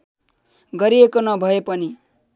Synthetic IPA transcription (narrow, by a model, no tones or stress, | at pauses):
ɡʌɾiekonʌbʱʌepʌni